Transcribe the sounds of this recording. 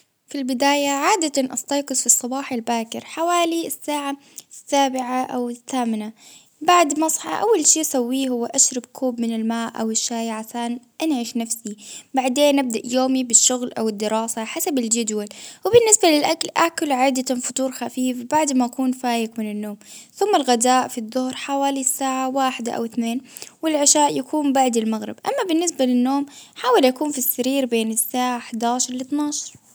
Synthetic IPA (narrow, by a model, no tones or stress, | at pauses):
filbɪd̪aːjaʕaːd̪at̪anʔɑst̪ˤɑːqɨsˤfisˤːɑbɑːħalbaːkɪɾħawaːlisːaːʕa | sːaːbɪʕaʔawɪθːaːmɪna | baʕd̪mɑsˤħɑ̰ʔawːalʃiːʔasawːiːhʊwːaʔaʃɾˤɑbkʰuːbmɪnɪlmaːʔʔa̰wɪʃːaːjʕaʃaːnʔanʕɪʃnafsibaʕd̪eːnːʔɪb̚d̪aʔjoːmibɪʃːʊɣlʔawɪd̪ːɪɾɑːsaħasabɪld͡ʒad̪walwɪbɪnːɪsbalɪlʔakalʔakʊlʕaːd̪afʊt̪ˤuːɾxafiːfbaʕd̪maʔakuːnfaːjɪkmɪnɪnːoːmθʊmːalɣad̪aːʔfiðˤːʊhɾħawaːlisːaːʕawaːħɪd̪a̰ʔa̰wɪθneːnwɪlʕɪʃaːʔjakʰuːmbaʕd̪ɪlmaɣɾɪ̰bʔa̰mːabɪnːɪs̬balɪnːoːmħaːwalʔakuːnfisːaɾiːɾbeːnɪsːaːʕaħd̪aːʃɑɾˤlɪt̪nɑːʃɑɾˤ